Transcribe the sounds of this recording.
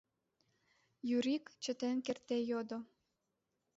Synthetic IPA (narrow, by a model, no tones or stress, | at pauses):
jyɾikt͡ɕə̆t̪enkert̪ejod̪o